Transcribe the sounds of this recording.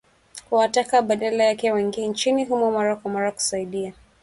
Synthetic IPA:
kuwatakaɓanalajakɛwɛŋɡint͡ʃiniɦumɔmaɾakwamaɾaku̥saiɗia

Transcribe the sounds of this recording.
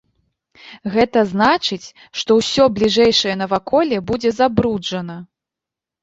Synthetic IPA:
ɣɛt̪ɐznat͡ʂɨt͡sʲ | ʂt̪ɔwsʲɔblʲiʐɛjʂɐjɛnɐvakʰɔlʲɛbud͡zʲɛzabɾud͡ʐɐnɐ

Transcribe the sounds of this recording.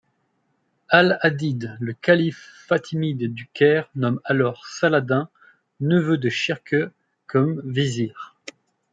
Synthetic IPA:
alad̪id̪ləkalifːat̪ʰimid̪ːykʲɛʁnɔmalɔʁsalad̪ɛ̃ | nəvød̪əʃiʁkʰø | kʰɔmviziːʁ

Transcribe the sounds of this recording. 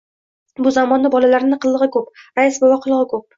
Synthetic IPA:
bʊzamɒnːɪbɒlalaɾnɪqʰɨlˠːɨʁɪkʰopɾajɪsbɒwaqʰɨlˠɨʁɨkʰop̚

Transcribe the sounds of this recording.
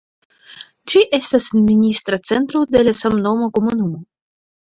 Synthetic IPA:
d͡ʒiʔe̞stasnminist̪ɾat͡se̞nt̪ɾod̪e̞lasamnomakomunumo

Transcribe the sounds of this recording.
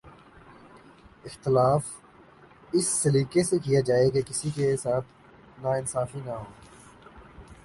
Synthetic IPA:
ɪxt̪ɪlaːf | ɪsːɐɾiːkesekijad͡ʒaːekekɪsikesaːt̪ʰ | naɪnsaːfinaɦoː

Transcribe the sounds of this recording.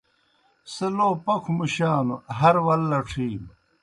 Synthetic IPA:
seloːpɐkʰumuɕaːnuɦɐɾwɐlːɐʈ͡ʂʰiːm

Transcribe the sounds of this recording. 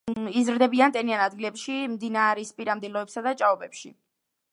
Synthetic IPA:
izɾd̪ɛbiant̪ʼɛnianad̪̚ɡilɛpʃimd̪inaɾispʼiɾamd̪ilˠɔɛpsad̪at͡ʃʼaɔbɛpʃḭ

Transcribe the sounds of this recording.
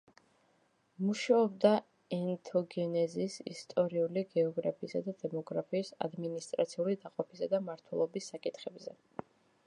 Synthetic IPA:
muʃaɔbd̪a | ɛnt̪ʰɔɡɛnɛzisḭst̪ʼɔɾiuliɡɛɔɡɾapʰisad̪ad̪ɛmɔɡɾapʰiːsa̰d̪minist̪ʼɾat̪sʰiulid̪aqʼɔpʰisad̪amaɾt̪ʰwɛlˠɔbisːakʼit̪ʰχɛbzɛ

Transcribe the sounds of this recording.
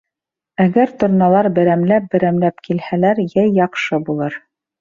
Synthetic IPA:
æɡæɾt̪ŏɾnɑlˠɑɾbɘ̆ɾæmlæp̚bɘ̆ɾæmlæpkilhælæɾjæjjːɑqʃɤbulˠɤɾ

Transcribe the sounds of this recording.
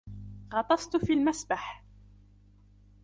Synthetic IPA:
ɣɑt̪ˤɑsˤt̪fiːlmasbaħ

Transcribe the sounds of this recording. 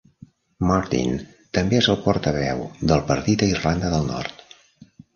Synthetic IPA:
mɔɾt̪ḭn | t̪əmbeezəlˠpɔɾt̪əβ̞ɛ̰wd̪əlˠpəɾt̪it̪əirland̪əðəlˠnɔ̰rt̪

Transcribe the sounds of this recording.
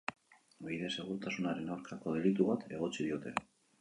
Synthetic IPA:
biðese̞ɣ̞uɾt̪asunaɾe̞nawɾkako̞ð̞e̞lit̪̬uβat̪e̞ɣ̞o̞t͡sið̞io̞t̪e̞̰

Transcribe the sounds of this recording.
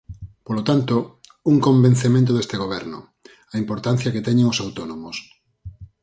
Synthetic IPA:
polot̪ant̪ouŋkõmbẽn̟θemẽnt̪̬oðest̪eɣ̞oβ̞ɛɾnʊ̰ | ɐimpoɾt̪an̟θjɐket̪ɛɲeŋosawt̪onomos

